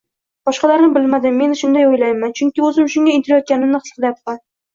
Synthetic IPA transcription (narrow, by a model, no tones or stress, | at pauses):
b̥ɒʃqɑlaɾnɪbɪlmad̪ɪmːe̞nʃʊnd̪ajojlajmant͡ʃʰʊŋkʲiɵzɪmʊʃʊŋʲaint̪ɪɾajɒt̪kʲanɪmnɪqsqlap̪̚qɑn